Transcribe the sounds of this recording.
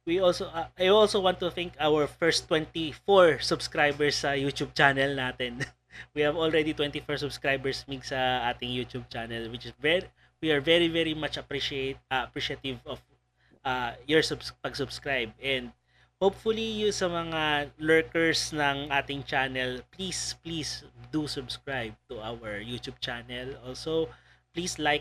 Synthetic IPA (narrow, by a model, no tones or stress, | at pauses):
wiolsoʔaʔajolsowãnt̪ːʊθɪ̃ŋkawɛɹfɛɹst̪ːwɛ̃nt̪ifɔɹsʊbskɹajbɛɹsːɐjut̪ub̚t͡ʃanɛlnaːt̪ɛn | wihɐvɔlɹɛd̪it̪wɛ̃nt̪ifɔɹsʊbskɹajbɛɹsmiɡsɐʔaːt̪ɪŋjut̪ub̚t͡ʃanɛlwɪt͡ʃɪsvɛ | wiɐɹvɛɹivɛɹimat͡ʃɐpɾiʃet̪̚ːɐpɹiʃɐt̪ɪvɔf | ʔɐjɔɹsʊbspɐɡsʊbskɹajb̚ɛnd̪̚ | howpfʊlijʊŋsɐmɐŋalɛɹkɛɹsnɐŋʔaːt̪ɪŋt͡ʃanɛlplisplisd̪usʊbskɹajb̚t̪ʊʔawɛɹjut̪jub̚t͡ʃanɛlʔolso | plislajk